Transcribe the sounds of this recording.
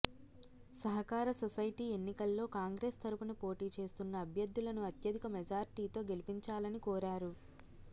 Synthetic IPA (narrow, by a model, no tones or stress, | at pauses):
sɐɦɐkaːɾɐsɔsɐjʈiːe̞nːikɐlːo̞ːkaːŋɡɾe̞st̪ɐɾupunupo̞ːʈiːt͡ʃe̞ːst̪unːɐːbʱjɐd̪ːulɐnuɐt̪jɐd̪ikɐmɛd͡ʒaːɾiʈiːt̪o̞ːɡe̞lipiɲt͡ʃaːlɐnikɔːɾaːɾu